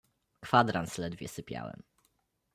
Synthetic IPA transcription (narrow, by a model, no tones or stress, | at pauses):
kfad̪ɾanslɛd̪vʲjɛsɘpʲja̰wɛ̰m